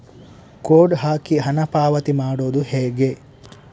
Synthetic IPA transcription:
koːɖɦaːkiɦɐnɐpaːʋɐt̪imaːɽoːd̪uheːɡe

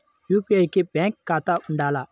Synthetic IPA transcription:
jupiajkibɛŋkːat̪aʔuɳɖaːla

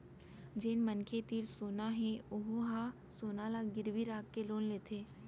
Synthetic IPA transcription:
d͡ʒeːnmənkʰet̪iːɾsoːnaɦẽoɦuɦa | soːnalaɡɪɾʋiɾaːkːeloːnleːt̪ʰeː

